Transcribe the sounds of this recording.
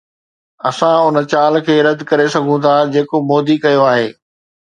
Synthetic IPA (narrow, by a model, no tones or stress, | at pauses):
ɐsãʊnə̆t͡ɕaːlkʰeːɾɐd̪kɐɾesɐɡʱũt̪ʰad͡ʑeːkomoːd̪ikɐjoaːɦeː